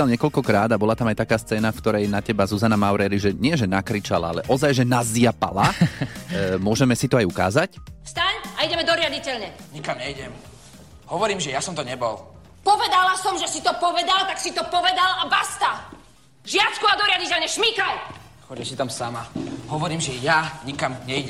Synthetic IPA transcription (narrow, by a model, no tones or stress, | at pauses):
alɲɪɛkɔʎkɔkɾaːd̪abɔlat̪amajt̪akaːst͡sɛːnafkt̪ɔɾɛjnacɛbazuzanamaʊɾɛːɾiʒɛɲɪɛʒɛnakɾit͡ʃa̰la̰alɛʔɔzajʒɛnazɪapa̰la | mʊɔʒɛmɛsit̪ɔajuka̰ːzacfst̪aɲaiɟɛmɛd̪ɔɾɪaɟicɛʎɲɛɲikamɲɛiɟɛm | hɔʋɔɾiːmʒɛjasɔmt̪ɔɲɛbɔl | pɔʋɛd̪alasɔmʒɛsit̪ɔpɔʋɛd̪alt̪aksit̪ɔpɔʋɛd̪alabast̪a | ʒɪat͡skuad̪ɔɾɪaɟicɛlɲɛʃmikaj | xɔɟɛsit̪amsamaɦɔʋɔɾiːmʒɛjaɲikamɲɛjɟɛ